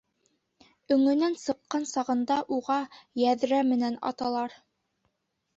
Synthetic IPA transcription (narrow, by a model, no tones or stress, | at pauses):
ɵ̆ŋɵ̆nænsɤ̆qːɑnsɑʁɤ̆nd̪ɑʔuʁɑjæðɾæmɘ̆nænɑ̰t̪ɑlˠɑɾ